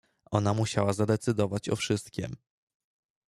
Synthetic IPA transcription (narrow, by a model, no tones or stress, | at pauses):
ʔɔnamuɕawazad̪ɛt̪sɘd̪ɔvat͡ɕɔ̰fʂɘst̪̚kʲɛ̰m